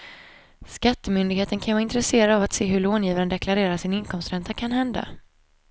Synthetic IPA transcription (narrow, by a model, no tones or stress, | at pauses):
skat̪ːəmʏnd̪ɪɡheːt̪ənkʰanvaːɾɪnt̪ɾɛseːɾad̪avat̪seːɦɵɭoːnjiːvaɾənd̪ɛkʰlaɾeːɾasɪnɪnkʰɔmst̪ɾɛnt̪ʰakʰanɦɛnd̪a̰